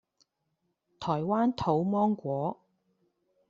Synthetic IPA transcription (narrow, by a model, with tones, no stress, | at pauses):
t̪ʰɔː˨˩jwaː˥nt̪ʰo˨˧˥wmɔː˥ŋkʷɔː˨˥